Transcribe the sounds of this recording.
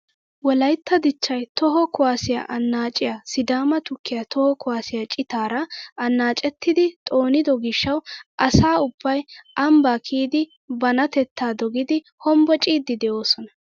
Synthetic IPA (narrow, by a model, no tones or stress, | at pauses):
wɔlɐjt̪ʰːɐd̪ɪt͡ʃːɐjt̪ɔɦɔkʊwaːsɪja̰ʔɐnːaːt͡ʃʼɪjasɪd̪aːmɐt̪ʊkʰːɪjat̪ɔhɔkʊwaːsɪjat͡ʃʼɪt̪aːɾɐɐnːaːt͡ʃʼɛt̪ːɪd̪ɪt̪ʼo̞ːnɪd̪ɔɡɪʃːɐwʔɐsaːʊbːɐjʔɐmbaːkʰiːd̪ɪ | bɐnɐt̪ɛt̪ːaːd̪ɔɡɪd̪ɪ | hɔmbɔt͡ʃʼiːd̪ːɪd̪ɛʔo̞ːsɔnɐ